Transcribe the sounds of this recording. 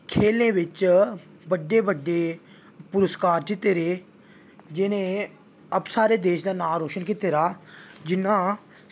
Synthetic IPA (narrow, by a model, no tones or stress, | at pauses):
kʰeːlnẽːʋɪt͡ʃ | bəɖːeːbəɖːeː | pʊɾəskaːɾt͡ʃɪt̪eːɾeː | d͡ʒɪnẽː | əpsaːɾeːd̪eːʃd̪aːnaːɾoːʃənkit̪eːɾaːd͡ʒɪnːãː